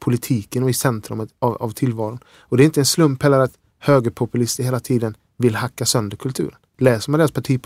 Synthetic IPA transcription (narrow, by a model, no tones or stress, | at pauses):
pʰʊlɪt̪ʰiːkənɔɪsɛnt̪ʰɾʊ̰mət̪ava̰vt̪ʰɪlːvɑːɾʊn | ɔd̪ɛɾɪnt̪əɛnslɵmphɛlːəɾat̪ | høːɡəɾpʰʊpɵlɪst̪əɾheːlat̪ʰiːd̪ən | vɪlhakːasœnd̪əɾkʰɵlt̪ʰʉ̟ːɾənlɛːsəɾmaneːɾaspʰaʈʰiː